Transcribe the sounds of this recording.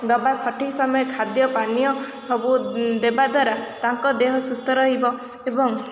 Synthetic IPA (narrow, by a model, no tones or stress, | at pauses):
d̪ɔbasɔʈʰisɔmɔjɔkʰad̪jɔpanijɔ | sɔbud̪ebad̪waɾat̪aŋkɔd̪eɦɔsust̪ʰɔɾɔɦibɔ | ebɔŋ